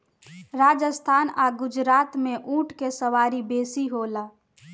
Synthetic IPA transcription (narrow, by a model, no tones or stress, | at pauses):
ɾaːd͡ʒəst̪ʰaːnaːɡʊd͡ʒɾaːt̪mẽʔũːʈʰkesəwaːɾibeːsiɦoːlaː